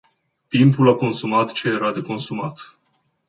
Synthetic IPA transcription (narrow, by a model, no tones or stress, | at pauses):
t̪impulako̞nsumat̪t͡ʃe̞je̞ɾad̪e̞ko̞nsumat̪